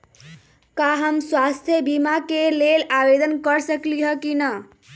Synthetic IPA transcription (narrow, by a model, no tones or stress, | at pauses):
kaɦəmswast̪ʰjəbimakelelabed̪ənkəɾsəkliɦəkinə